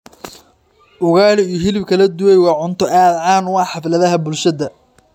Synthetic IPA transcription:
ʔʊɣaːlɪijɔɦɪlɪbkʰɐlɐd̪ʊwɛjwɑːʕʊnt̪ʰɔʔaːd̪ʕaːnʊwɑːħɑflɐðɐɦɐbʊlʃɐðɐ

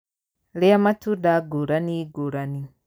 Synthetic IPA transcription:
leamatudaɡuɾaniɡuɾani

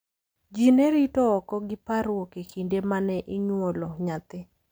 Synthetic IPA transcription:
d͡ʒinɛɾitɔɔkɔɡɪpaɾwokekindemanɛʔɪɲwolɔɲat̪ɪ

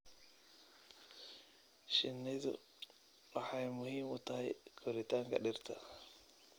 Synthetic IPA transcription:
ʃɪnːɪðʊ̰ | wɑħɑjmʊhiːmʊt̪ʰɐɦɛjkʰɔɾɪt̪ʰaːŋkʰɐ̰ɗɪrt̪ʰɐ

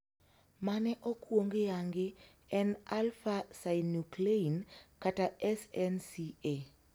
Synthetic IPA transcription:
manɛʔokwoŋɡejaŋɡɪ | ɛnalfasajnukleinkataɛsɛnsie

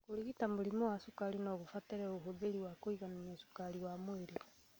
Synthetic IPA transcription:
koɾiɣitamoɾimɔwasukaɾinaɣofatɛɾɛoɦoðeɾiwakoiɣanamɛsu̥kaɾiwamweɾe

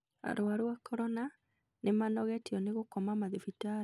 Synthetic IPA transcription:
a̰ɾoaɾwakɔɾɔna | nemanɔɣɛtiɔneɣokɔmamaðefita

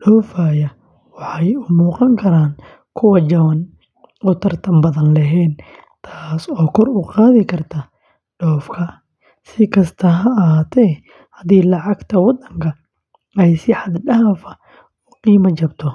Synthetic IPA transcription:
ɖɔːfaːjɐ | wɑħɑjʊmuːqɑŋkʰɐɾaːn | kʰʊwɐt͡ʃɐwɐn | ɔːt̪ʰɐrt̪ʰɐmbɐðɐnlɐɦɛːn | t̪ʰaːsɔːkʰɔrʊqɑːðɪkʰɐrt̪ʰɐ | ɖɔːfkʰɐ | sɪkʰɐst̪ʰɐɦɐːɦaːt̪ʰɛ | hɐd̪iːlɑʕɑɡt̪ʰɐwɑd̪ːɐŋkʰɐ | ɛjsɪħɑd̪ɖɐɦfɐ̥ | ɔːqiːmɐt͡ʃɐbt̪ʰɔ

